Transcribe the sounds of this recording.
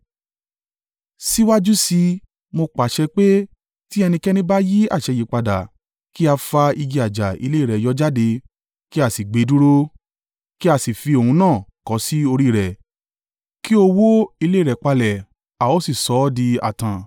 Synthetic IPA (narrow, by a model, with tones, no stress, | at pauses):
si˦wa˦d͡ʒu˦si˧ | mo˧k͡pa˨˦ʃɛ˧k͡pe˦ | ti˦ɛ˧nĩ˧kɛ˦nĩ˦ba˦ji˦a̰˦˨ʃɛ˧ji˨˦k͡pa˧da˨ | ki˦a˧fa˧i˧ɡi˧a˨d͡ʒa˨ḭ˧le˦˨ɾɛ˨˦jɔ˦d͡ʒa˦de˧ | ki˦a˦˨si˨ɡ͡be˨˦du˦ɾo˦ | ki˦a˧si˨fi˧o˨hũ˧nãː˦˨kɔ˨˦si˦o˧ɾi˦˨ɾɛ˨ | ki˦o˧wo˦i˧le˦i˦˨ɾɛ˨k͡pa˧lɛ˨ | a˨o˨˦si˨sɔ˨˦di˧a̰˨tã˨